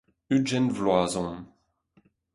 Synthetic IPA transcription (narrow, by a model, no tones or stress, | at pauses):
yd͡ʒɛnvlwaːzɔ̃n